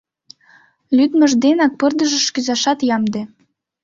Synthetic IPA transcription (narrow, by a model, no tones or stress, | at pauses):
lʲyd̪mə̆ʒd̪enɑk̚pɤrd̪əʒə̆ʃkyzɑʃɑt̪jɑmd̪ĕ